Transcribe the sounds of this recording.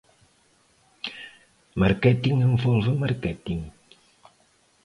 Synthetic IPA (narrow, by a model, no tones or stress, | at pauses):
maɾkɛt̪iŋɛɱvɔlvəmarkɛt̪iŋ